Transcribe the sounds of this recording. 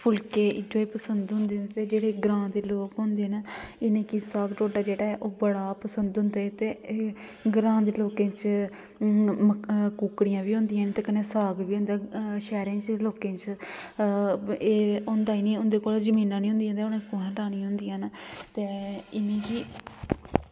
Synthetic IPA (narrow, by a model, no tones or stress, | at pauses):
pʰʊlkeːɪd͡ʒoːiːpəsənd̪ɦʊ̃nd̪eːt̪eːd͡ʒeːɽeːɡɾãːd̪eːloːkɦʊ̃nd̪eːnaːɪnẽːkisaːɡʈoːʈaːd͡ʒeːɽaːɛːʔoːbəɽaːpəsənd̪ɦʊ̃nd̪eːt̪eː | ɡɾãːd̪eːloːkẽːt͡ʃ | məkuːkɽijãːʋiːɦʊ̃nd̪ijãːnt̪eːkəneːsaːɡʋiːɦʊ̃nd̪aːʃɛːɾẽːt͡ʃ̪eloːkẽːt͡ʃ | eːʊnd̪aːiːniːʊnd̪eːkoːld͡ʒəmiːnãːnĩːɦʊ̃nd̪iːɦnd̪eːonẽːkoəʈaːnĩːɦʊ̃nd̪iːãːnt̪eːɪnẽːkiː